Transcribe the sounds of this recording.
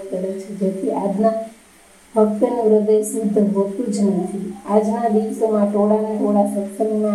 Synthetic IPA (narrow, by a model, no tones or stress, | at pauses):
kəɾet͡ʃʰed͡ʒet̪ʰiʔad͡ʒna | bʱək̚t̪ənpɾəd̪eʃʋud̪ʱːəbət̪ud͡ʒnət̪ʰiad͡ʒnad̪iʋsomãʈoɽanaʈʰoɽasəksənmã